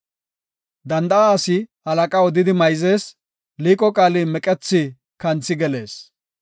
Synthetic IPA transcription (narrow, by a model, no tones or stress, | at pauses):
d̪ɐnd̪ɐaːsɪhɐlɐkʼaɔd̪ɪd̪ɪmɐjze̞ːs | liːkʼɔkʼaːlimɛkʼɛt͡sːɪ | kɐnt͡sːɪɡɛle̞ːs